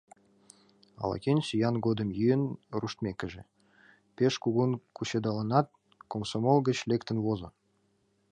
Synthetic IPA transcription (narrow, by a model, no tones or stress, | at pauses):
ɑ̰lɑ̰kʲenʲsʲijɑnɡod̪ə̆mjyjənruʃt̪mʲekə̆ʒĕ | peʃkuɣunkuɕed̪ɑlɑnɑt̪̚ | komsomolˠɡə̆t͡ɕlʲekt̪ə̆nβozɤ̆